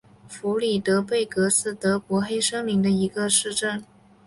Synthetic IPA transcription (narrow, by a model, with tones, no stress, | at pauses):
fu˧˥li˨˩t̪ɤ˧˥pe˥˩ɪkɤ˧˥sɹ̩˥˩t̪ɤ˧˥pwɔ˧˥xe˥ɪʂɤ˥ŋli˧˥ŋd̪ə˧i˧˥ɡə˧ʂɻ̩˥˧ʈ͡ʂə˥˩n